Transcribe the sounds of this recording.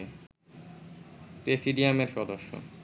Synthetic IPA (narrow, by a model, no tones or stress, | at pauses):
e | t̪esiɖiemeɾʃɔd̪oʃːo̰